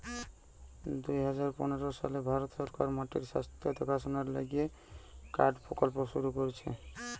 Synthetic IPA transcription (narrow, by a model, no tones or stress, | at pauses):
d̪ujɦɔd͡ʒaɾpɔ̰neɾɔsa̰lebʱaɾɔt̪sɔɾkaɾmaʈḭɾsa̰st̪jɔd̪ʱɔkʰasɔnaɾla̰ɡie | ka̰ɖpɾɔkɔlpoʃuɾukɔɾit͡ʃʰḛ